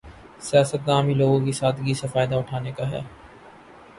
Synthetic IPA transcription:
sjaːsət̪̚ɡaːmiloːɡõk̬isaːd̪ɡisefaːɪd̪aʊʈʰaːnekaɦɛ̰ː

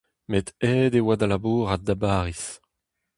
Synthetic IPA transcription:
met̪ɛːdewad̪alabuːʁad̪abaːʁis

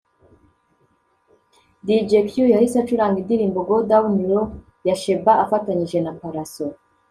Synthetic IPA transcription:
did͡ʒekjujahisat͡ʃuɾamidiɾiːmboɡodawuniɾo | jaʃe̞baafataɲiʒe̞napaɾaso

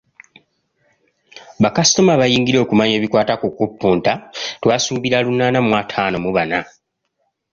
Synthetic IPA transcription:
βakasi̥tomaβajiːŋɡiɾe̞kumaɲe̞ːβikwaːtakukupːuːntatwaːsuːbiɾalunːaːnamwatʰaːno̞muβana

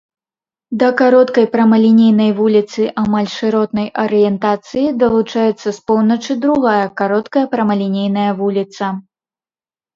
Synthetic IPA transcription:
d̪ɐkaɾɔt̪kɐjpɾɐmɐlʲinʲejnɐjvulʲit̪sɨʔamalʲʂɨɾɔt̪nɐjʔɐɾɨjɛnt̪at̪sɨjid̪ɐlˠut͡ʂajɛt̪sːɐspɔwnɐt͡ʂɨd̪ɾuɣajɐkaɾɔt̪kɐjɐpɾɐmɐlʲinʲejnɐjɐvulʲit̪sɐ

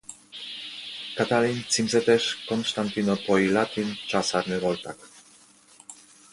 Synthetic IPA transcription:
kat̪alint͡simset̪eʃkonst̪ant̪inopojlat̪int͡ʃasaɾnevolt̪ak

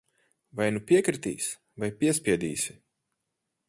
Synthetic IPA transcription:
vajnupʲiɛkɾit̪ḭːs | vajpʲiɛsʲpʲiɛd̪iːsɪ

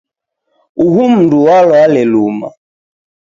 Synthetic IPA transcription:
uɦum̩duwalɔalɛluma̰

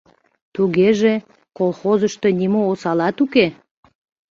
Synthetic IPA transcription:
t̪uɣeʒe | kolˠxozəʃt̪ə̽nimoːsɑlɑt̪uke

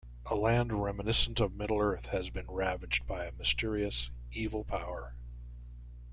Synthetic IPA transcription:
ʔəlæ̃ndɹɛmɨnɪsn̩tʌvmɪɾl̩ˠɜ˞θhɨzbɨ̃nɹævɨd͡ʒ̚baɪɨmɨstɪɹiɨs | ivl̩ˠpʰaʊə˞

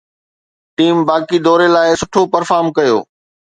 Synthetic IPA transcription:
ʈiːmbaːkid̪ɔːɾelaːɪsʊʈʰopɐɾfaːɾmkɐjo̰ː

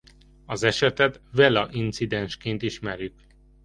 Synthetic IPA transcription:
ɒzɛʃɛt̪ɛt̪vɛlɒʔint̪sid̪ɛnʃkeːnt̪iʃmɛɾjyk

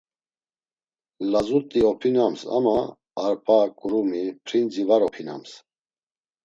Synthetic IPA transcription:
lazut̪ʼiɔpʰinamsa̰maː | ɾpʰʼakʼɾumipʰɾind͡zivaɾɔpʰina̰ms

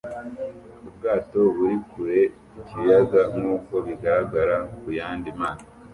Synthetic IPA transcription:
ubɡaːto̞βuɾikuɾe̞ | icijaɡaŋ̥uːko̞βiɡaɾaɡaɾakujaːndimaːza

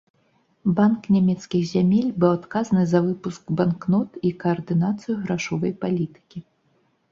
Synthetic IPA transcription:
banknʲamʲɛt̪skʲixzʲamʲelʲbɨwat̪kazɐnɨzɐvɨpuskbanknɔt̪ikɐɐrd̪ɨnat̪sɨjuɣɾaʂɔvɐjpalʲit̪ɨ̥kʲi

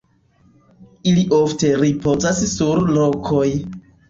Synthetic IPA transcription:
iliʔofte̞ɾipo̞zassuɾlokʰoj

